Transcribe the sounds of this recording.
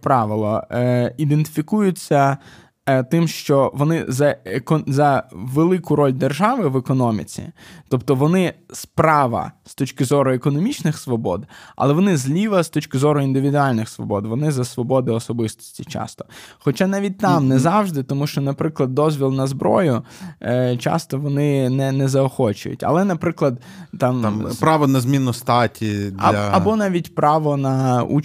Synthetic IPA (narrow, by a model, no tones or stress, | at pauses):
pɾɑʋɪlˠɔ̰id̪ent̪ɪ̥fʲikujʊt͡sʲːɐ | t̪ɪmʃt͡ʃɔʋɔnɪzɐekɔzɐʋelˠɪkʊɾɔlʲd̪erʒɑʋɪʋekɔnɔmʲḭt͡sʲḭt̪ɔpt̪ɔʋɔnɪspɾɑʋɐ̰st̪ɔt͡ʃkɪzɔɾʊekɔnɔmʲit͡ʃnɪxsʋɔbɔ̰d̪ɐ̰lˠɛʋɔnɪzʲlʲiʋɐst̪ɔt͡ʃkɪzɔɾʊind̪ɪʋʲid̪ʊɑlʲnɪxsʋɔ̰bɔd̪ʋɔnɪzɐsʋɔbɔd̪ɪɔsɔbɪst̪ɔ̥sʲtʲit͡ʃɑ̰st̪ɔ̥xɔt͡ʃanɑʋʲid̚ʲt̪ɑmnɛzɑwʒd̪ɪt̪ɔmuʃt͡ʃɔnɐpɾɪklˠɐd̪̚ːɔzʲʋʲilˠnɐzbɾɔ̰jʊ | t͡ʃɑ̰st̪ɔʋɔnɪnɛnɛzɐɔxɔt͡ʃʊ̰jʊ̰tʲɐ̰lˠɛnɐpɾɪklˠɐd̪ | t̪ɑmpɾɑʋɔnɐzmʲinʊst̪ɑtʲidɐɐbɔnɑʋʲitʲpɾʔɑʋɔnɐṵ